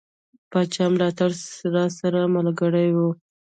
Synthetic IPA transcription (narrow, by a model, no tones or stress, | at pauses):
pɑt͡ʃɑmlɑt̪aɽlɑsaɾamalɡəɽajwu